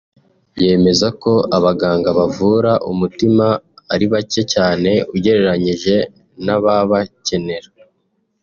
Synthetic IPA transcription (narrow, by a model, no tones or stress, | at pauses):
je̞ːme̞zako̞aβaɡaːŋɡaβavuɾaʔumutimaːɾiβace̞caːne̞uɟe̞ɾe̞ɾaɲiʒe̞ | naβaβace̞ne̞ɾa